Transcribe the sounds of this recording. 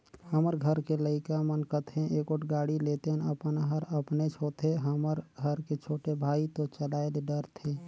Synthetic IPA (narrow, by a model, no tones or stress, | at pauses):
həməɾɡʱəɾkeləɪkamənkət̪ɦɛ̃ʔeːkoʈʰɡaːɽileːt̪enəpənɦəɾəpnet͡ʃʰoːt̪eɦəməɾɡʱəɾket͡ʃʰoːʈebʱaːit̪ot͡ʃəlaːeleɖəɾt̪ʰeː